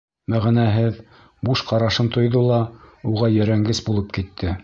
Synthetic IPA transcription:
mæʁænæɦɘð | buʃqɑɾɑʃɤnt̪ŏjðolˠɑuʁɑjɘ̆ɾæŋɡɘsbulˠɤp̚kit̪ʰːɘ

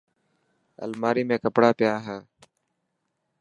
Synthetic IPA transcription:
ə̰lmaːɾiːmẽːkəpɽaːpɪjaːɦeː

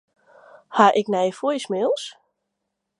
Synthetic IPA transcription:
haʔɪknɛjfojsmeːlˠs

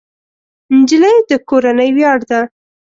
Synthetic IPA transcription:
nd͡ʒiləjd̪əkoɾanəjwjɑɽd̪a

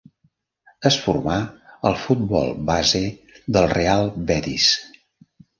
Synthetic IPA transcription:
əsfurmaəlˠfut̪̚bɔ̰lˠbazeðəlˠrealˠbɛt̪ḭs

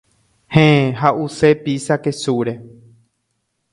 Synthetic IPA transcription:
hẽɦaʔusepisakesuɾe̞

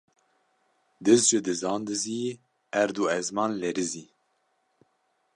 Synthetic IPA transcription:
d̪ɨzd͡ʒɨd̪ɨzɑːnd̪ɨziː | æɾd̪uːɛzmɑːnlɛɾɨziː

